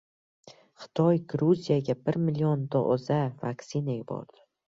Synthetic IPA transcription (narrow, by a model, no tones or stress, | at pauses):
χɨ̥t̪ʰɒjɡɾuzijaɡʲabɪɾmɪliond̪oʔzavakʲsɪnaɪbɒ̰ɾd̪̥ɪ